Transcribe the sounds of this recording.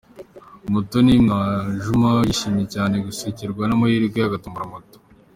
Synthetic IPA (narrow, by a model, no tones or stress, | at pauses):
mutonimaʒumajiʃimecaːne̞ɡusiciɾɡwanamajiɾiɡejaɡatumuɾamuto̥